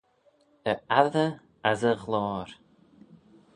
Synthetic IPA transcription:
əaðə | azəɣlɔːɾ

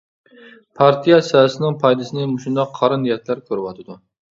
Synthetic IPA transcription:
pʰɑɾt̪ʰijɛsɛsɪnɪŋpʰɑjd̪ɨsɪnɪmuʃund̪ɑqʰːɑɾɨnjɛt̪ʰlæɾkʲʰøɾwɑt̪ʰɨd̪u

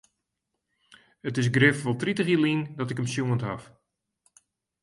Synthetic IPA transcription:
ətɪs̬ɡrɪfʋɔlˠtritəxilindɔtɪkəmsjuəntɦaf

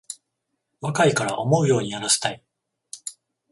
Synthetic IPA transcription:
βakaikaɾa̰ʔo̞mo̞ɯ̟jo̞ːɲ̟iaɾase̥t̪ai

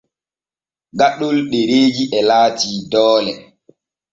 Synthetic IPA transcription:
ɡaɗulɗeɾeːd͡ʒiʔɛlaːtiːdɔːlɛ

